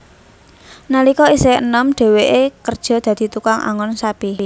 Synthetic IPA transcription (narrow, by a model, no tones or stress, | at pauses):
nalikɔiseənəmɖ̥e̤weʔekərd̥ʒ̥ɔ̤d̪̥ä̤d̪̥i̤t̪ukaŋʔa̰ŋɔnsab̥iɦ